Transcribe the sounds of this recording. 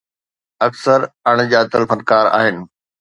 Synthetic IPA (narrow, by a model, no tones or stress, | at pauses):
ɐksəɾɐɽ̃d͡ʑaːt̪əlfənkaːɾa̰ːɦɪnɪ̆